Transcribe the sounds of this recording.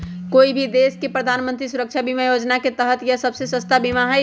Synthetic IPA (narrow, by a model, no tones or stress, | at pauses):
koːibʱid̪eskepɾəd̪ʱanmə̃nt̪ɾisuɾək̚t͡ʃʰabimajod͡ʒnaket̪əɦət̪jəsəbsesə̃st̪abimaɦə